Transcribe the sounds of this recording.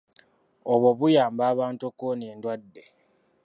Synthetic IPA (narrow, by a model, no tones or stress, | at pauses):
oβwoβujaːmbaːβaːntokːoneːndwadːe̞